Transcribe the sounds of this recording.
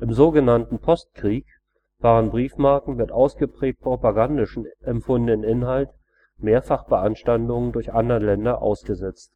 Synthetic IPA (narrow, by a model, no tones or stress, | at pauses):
ʔɪmzoːɡənantn̩pʰɔst̚kʁ̥iːk | v̥aːʁənbʁiːfmaɐkŋ̩mɪtʔaʊsɡ̥əpʁ̥ɛːk̚t̚pʁ̥opaɡandɪʃn̩ʔɛmfʊndənənʔɪnɦalt | meːɐfaχb̥əʔanʃtandʊŋəndʊɐçʔandəʁəlɛndɐʔa̰ʊsɡ̥əzɛt͡st